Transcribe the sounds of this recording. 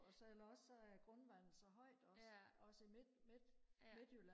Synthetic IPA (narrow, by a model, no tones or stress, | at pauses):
ɒsɒelɐɒ̽ssɒ̽æɡ̥ʁɔ̽nʋænsɒɦɒ̽ɪ̰d̥ɒ̽sɒ̽səimed̥med̥me̝d̥hylæ